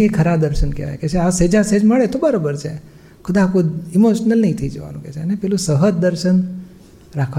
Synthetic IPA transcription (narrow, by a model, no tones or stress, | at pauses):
ekʰəɾad̪əɾʃənkḛʋa̰jket͡ʃʰeased͡ʒãsed͡ʒməɭet̪obəɾobəɾt͡ʃʰe | kʰʊd̪ãːkũimoʃnəlnəĩt̪ʰəid͡ʒəʋa̰nṵ̃kḛt͡ʃʰeənepɛlũsəɦət̪̚d̪əɾʃən | ɾakʰa